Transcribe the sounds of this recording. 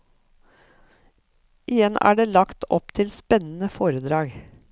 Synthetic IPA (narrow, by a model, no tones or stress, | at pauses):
ʔɪjɛnæ̰ːɖeːlɑkt̪ʰɔ̰p̚t̪ʰɪlspɛnn̩əfoːɾəd̪ɾɑːɡ